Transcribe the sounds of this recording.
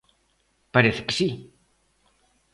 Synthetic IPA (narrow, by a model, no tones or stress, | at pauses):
paɾeθksi